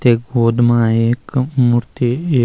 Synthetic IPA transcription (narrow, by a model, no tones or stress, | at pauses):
t̪eɡoːd̪mãːekmuɾt̪i